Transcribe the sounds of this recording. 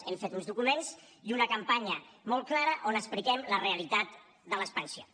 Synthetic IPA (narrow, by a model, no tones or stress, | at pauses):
ɛmfet̪unzðukumenziunəkəmpaɲəmɔlˠklaɾəʔonəsplikɛmləreəlit̪at̪̚ | d̪ələspənsio